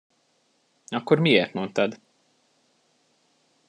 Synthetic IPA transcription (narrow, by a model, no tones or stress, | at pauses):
ɒkːoɾmieːrt̪mont̪ɒd̪